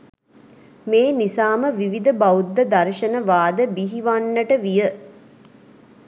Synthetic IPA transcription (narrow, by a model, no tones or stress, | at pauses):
meːnisaːməʋiʋid̪əbaud̪ːəd̪aɾʃənəʋaːd̪əbiɦiʋanːəʈəʋijə